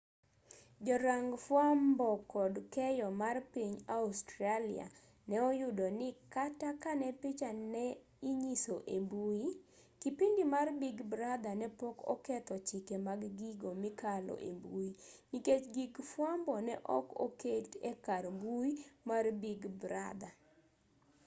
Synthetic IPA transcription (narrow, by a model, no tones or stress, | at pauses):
d͡ʒɔɾaŋɡfwambɔkɔdkɛjɔmarpiɲaustɾalḭa̰ | nɛɔjʊdɔnɪkatakanɛpɪt͡ʃanɛ | iɲisoʔembui | kipindimarbiɡbɾad̪anɛpɔkɔ̰kɛt̪ɔt͡ʃɪkɛmaɡɡiɡomikalɔ̰ʔḛmbuiniket͡ʃɡiɡfwambɔnɛʔɔ̰ko̰ketɛkarmbuimarbiɡbɾa̰d̪a